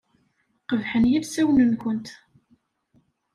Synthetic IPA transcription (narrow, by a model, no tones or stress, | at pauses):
qəvħənjævsæwnənkʷənt̪